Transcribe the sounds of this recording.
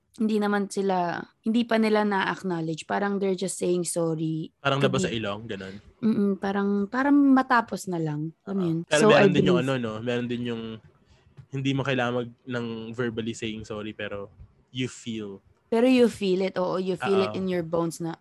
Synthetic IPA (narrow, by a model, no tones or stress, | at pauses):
hɪnd̪inɐmansɪlahɪnd̪iːpɐnɪlanɐʔɐknalɛd͡ʒpaːɾɐŋd̪ɛɹd͡ʒɐst̪sejɪŋsoːɹipaːɾɐŋlɐbasɐʔɪloŋɡɐnonm̩ːʔm̩paːɾɐŋpaːɾɐŋmɐt̪aːposnɐlɐŋɐmjonpɛːɾomɛɐɾond̪ɪnjʊŋɐno̞nomɛːɾond̪ɪnjʊŋ | hɪnd̪imɐkɐlaːmɐɡ̚nɐŋvɛɹbɐlisejɪŋsoɾipɛːɾo | jufil | pɛːɾojʊfiːlɪt̪ʔo̞ːʔojʊfiːlɪtɪnjɔɹbownsnɐ